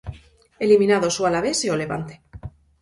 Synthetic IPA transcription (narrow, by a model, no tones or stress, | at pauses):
elimĩnaðosualaβeseole̞βa̰nt̪e